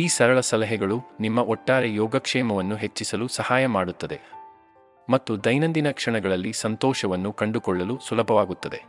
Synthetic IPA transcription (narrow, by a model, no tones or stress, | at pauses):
iːsɐɾɐɭɐsɐlɐɦɛɡɐɭunimːɐʔɔʈːaːɾejɔːɡɐkʂɛːmɐʋɐnːuɦe̞t͡ʃːisɐlusɐhaːjɐmaːɽut̪ːɐd̪e̞ | mɐt̪ːud̪ɐjnɐnd̪inɐkʂɐɳɐɡɐɭɐlːisɐnt̪ɔːʃɐʋɐnːukɐɳɖukɔɭːɐlusulɐbʱɐʋaːɡut̪ːɐd̪e̞